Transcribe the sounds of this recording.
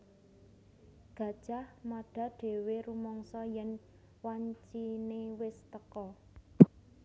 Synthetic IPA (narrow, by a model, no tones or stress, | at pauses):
ɡ̥ä̤d̥ʒ̥ahmaɖ̥ä̤ɖ̥e̤weɾumɔŋsɔjɛn | waɲt͡ʃinewɪst̪əkɔ